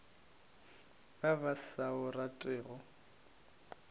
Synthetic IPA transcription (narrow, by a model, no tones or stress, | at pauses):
babasaʊratʼɪːɣɔ